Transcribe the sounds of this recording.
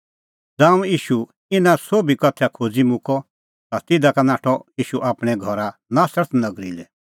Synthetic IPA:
d͡zãːũjiːʃu | ɪnãsoːbikɔt̪ʰakʰoːd͡zimʊ̃kʰɔ | t̪at̪ɪd̪akanaːʈʰɔiːʃuʔaːpɽ̃ɛɡʱɔɾanaːsəɾt̪nɐɡɾilɛ

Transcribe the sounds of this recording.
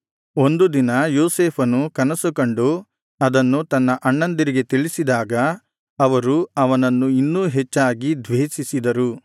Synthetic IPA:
o̞nd̪ud̪inɐjoːseːpʰɐnukɐnɐsukoɳɖu | ɐd̪ɐnːut̪ɐnːɐʔɐɳːɐnd̪ɐɾiɡe̞t̪iɭisid̪aːɡɐ | ɐʋɐɾuɐʋɐnɐnːuinːuːɦet͡ʃːaːɡid̪ʋeːsisid̪ɐɾu

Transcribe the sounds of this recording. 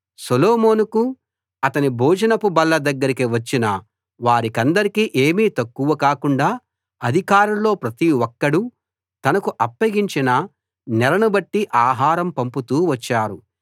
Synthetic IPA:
soloːmoːnuku | ɐt̪ɐnibʱɔːd͡ʒɐnɐpubɐlːɐd̪ɐɡːɐɾikiʋɐt͡ʃːinɐ | ʋaːɾikɐnd̪ɐɾikiːʔe̞ːmiːt̪ɐkːuʋɐkaːkuɳɖaː | ɐd̪ʱikaːɾɐmlo̞ːpɾɐt̪iwɔkːɐɽu | t̪ɐnɐkuʔɐpːɐɡiɲt͡ʃinɐ | nɛɾɐnubɐʈːiʔaːɦaːɾɐmpɐmput̪uːʋɐt͡ʃːaːɾu

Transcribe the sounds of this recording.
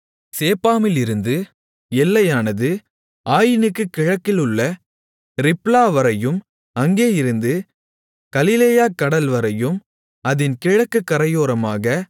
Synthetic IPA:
seːpːaːmɪlɪɾɯnd̪ɯ | ɛlːɐjaːnɐðɯ | aːjɪnɯkːɯkɪɻɐkːɪlɯɭːɐ | ɾɪplaːʋɐɾɐjɯm | ɐŋɡeːɪɾɯnd̪ɯ | kɐlɪleːjaːkːɐɽɐlʋɐɾɐjɯm | ɐðɪnkɪɻɐkːɯkːɐɾɐjoːɾɐmaːɣɐ

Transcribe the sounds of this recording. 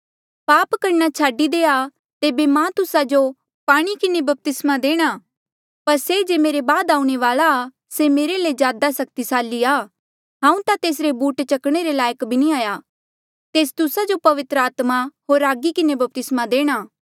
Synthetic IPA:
paːpkɐɾnat͡ʃʰaːɖid̪eːa | t̪eːbemãt̪ʊsad͡ʒo | paːɽ̃ikɪnebɐp̚t̪ɪsmad̪eːɽ̃aː | pɐɾsed͡ʒeːmeːɾebaːd̪aːũɽ̃eʋaːlaː | semeːɾeled͡ʒjaːd̪asɐk̚t̪isaːliaː | ɦãːũt̪at̪eːs̬ɾebuːʈt͡ʃɐkɽ̃eɾelaːjəkbʱinĩaːja | t̪eːs̬t̪ʊsad͡ʒopɐʋɪt̪ɾəaːt̪maɦoːɾaːɡikɪnebɐp̚t̪ɪsmad̪eːɽ̃aː

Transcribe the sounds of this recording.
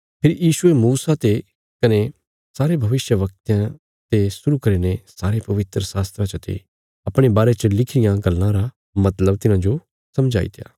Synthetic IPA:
pʰɪɾjiːʃʊemuːsat̪e | kɐne | saːɾebʱɐʋɪʃjəʋɐk̚t̪jã | t̪esʊɾukɐɾenesaːɾepɐʋɪt̪ɾəsaːst̪ɾãt͡ʃət̪ʰḛ | ɐpɽ̃ebaːɾet͡ʃəlɪkʰɾɪjãɡɐlːãɾa | mɐt̪ləbt̪ɪnãd͡ʒo | sɐmd͡ʒa̰ːḭt̪eja̰ː

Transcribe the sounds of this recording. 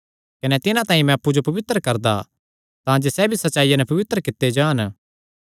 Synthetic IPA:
kɐnet̪ɪnãt̪ãːĩmɛ̃ɐpːud͡ʒopɐʋɪt̪ɾəkɐɾd̪a̰ | t̪ãd͡ʒesɛbʱisɐtːʃaːijãnɛpɐʋɪt̪əɾəkɪt̪ːed͡ʒaːn

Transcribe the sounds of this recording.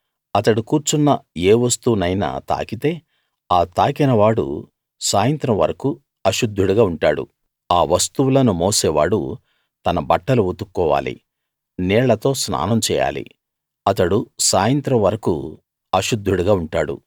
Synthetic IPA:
ɐt̪ɐɽukuːɾt͡ʃunːɐeːʋɐst̪unɐjnɐ̰t̪a̰ːkit̪e̞ː | aːt̪aːkinɐʋaːɽṵ | saːjɐnt̪ɾɐmʋɐ̰ɾɐku | ɐʃud̪ʱːuɽuɡaːuɳʈaːɽṵ | aːʋɐst̪uwulɐnumoːseːʋa̰ːɽṵ | t̪ɐnɐbɐʈːɐluut̪ukːɔːʋa̰ːlḭ | nɛːɭːɐt̪o̞ːsna̰ːnɐmt͡ʃɛːja̰ːlḭ | ɐt̪ɐɽusaːjɐnt̪ɾɐmʋɐɾɐkṵ | ɐʃud̪ʱːuɽuɡaːuɳʈaːɽṵ

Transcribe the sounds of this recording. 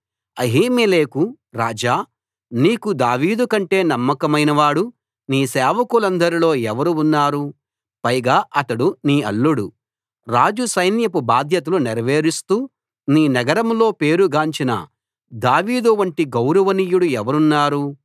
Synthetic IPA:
ɐɦiːmeleːku | ɾaːd͡ʒaː | niːkud̪aːʋiːd̪ukɐɳʈe̞ːnɐmːɐkɐmɐjnɐʋaːɽu | niːsɛːʋɐkulɐnd̪ɐɾilo̞ːɛʋɐɾuunːaːɾu | pɐjɡaːʔɐt̪ɐɽuniːɐ̰lːuɽṵ | ɾaːd͡ʒusɐjnjɐpubaːd̪ʱjɐt̪̬ɐluniɾɐʋeːɾist̪uː | niːnɐɡɐɾɐmlo̞ːpeːɾuɡaːɲt͡ʃinɐ̰ | d̪aːʋiːd̪uʋɐɳʈiɡɐwɾɐʋɐniːjuɽuɛʋɐɾunːaːɾu

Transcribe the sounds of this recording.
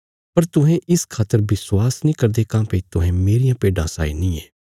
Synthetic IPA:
pɐɾt̪ʊɦɛ̃ʔɪskʰaːt̪əɾbɪswaːsnĩːkɐɾd̪eːkãːpet̪ʊɦɛ̃meːɾijãːpeːɖãsa̰ːḭnĩːeː

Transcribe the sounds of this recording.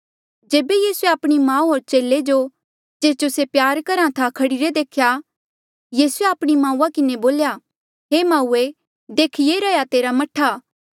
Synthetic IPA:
d͡ʒeːbejiːsueaːpɽ̃imãːũɦoːɾt͡ʃeːlːed͡ʒo | d͡ʒeːd͡ʒosepjaːɾkɐɾãt̪ʰakʰɐɽiɾed̪eːkʰja | jiːsueaːpɽ̃imãːũːakɪneboːlja | ɦeːmaːuːe | d̪eːkʰijeɾɐjat̪eːɾamɐʈʰːaː

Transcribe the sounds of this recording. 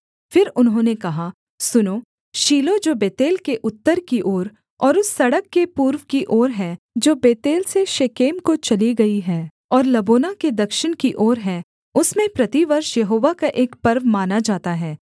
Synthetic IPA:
fɪɾʊnɦõːnekɐɦa | sʊnoː | ʃiːlod͡ʒoːbeːt̪eːlkeʔʊt̪ːəɾkiʔoːɾ | ɔːɾʊsːɐɽəkːepuːɾʋkiʔɔːɾɦɛ | d͡ʒoːbeːt̪eːlseʃeːkeːmkot͡ʃɐliɡɐiɦɛː | ɔːɾlɐboːnaked̪ɐkʃɪɽ̃kiʔɔːɾɦɛː | ʊsmẽpɾɐt̪iʋɐɾʃjɐɦoːʋakaʔeːkpɐɾʋmaːnad͡ʒaːt̪aɦɛː

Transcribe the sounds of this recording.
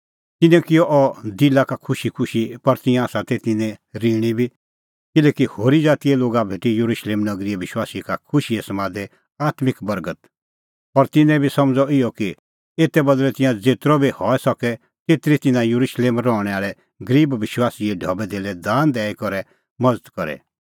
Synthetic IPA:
t̪ɪnɛ̃kɪjɔʔɔd̪ɪlakakʰʊʃikʰʊʃipɐɾt̪ɪ̃jãsat̪ɛt̪ɪnɛ̃ɾiɽ̃ibʱi | kɪlɛːkihoːɾid͡zaːt̪iɛloːɡabʱeːʈijuɾuʃleːmnɐɡɾiʋɪʃwaːsikakʰʊʃiɛsɐmaːd̪ɛ | aːt̪mɪkbɐɾɡət̪ | ɔɾt̪ɪnɛ̃bʱisɐmd͡zɔɪɔki | eːt̪ɛbɐd̪lɛt̪ɪ̃jãd͡zeːt̪ɾɔbʱihɔɛsɐkɛ | t̪eːt̪ɾit̪ɪnãjuɾuʃleːmɾɔɽ̃ɛaːɭɛ | ɡəɾiːbʋɪʃwaːsiɛɖʱɔːbɛd̪ʱeːlɛd̪aːnd̪ɛːikɔɾɛ | mɐd͡zət̪kɔɾɛ̰

